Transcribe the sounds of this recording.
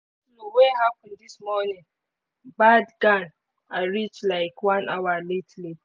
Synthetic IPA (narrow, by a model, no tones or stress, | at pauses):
loweɦapndismɔnɪ̃ŋ | badɡãn | aɹit͡ʃlaɪkwãnʔawaletli